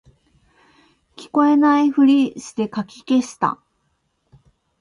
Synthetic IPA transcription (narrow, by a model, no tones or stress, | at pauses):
kʲi̥ko̞e̞naiɸɯ̟ɾʲiɕɨ̥t̪e̞kakʲike̞ɕi̥t̪a̰